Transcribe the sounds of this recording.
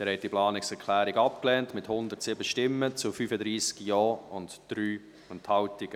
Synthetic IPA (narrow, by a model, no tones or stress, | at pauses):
ɛːɾhɛtːiplɑːnɪksɛɾkʰlæːɾiɡɑpklɛːntmɪthʊnd̪ətsɪbəʃtɪmːət͡sʊfyːfədɾiːsɡ̥jɔːʊntd̥ɾyː | ʊnthɑwtɪɡ̥ə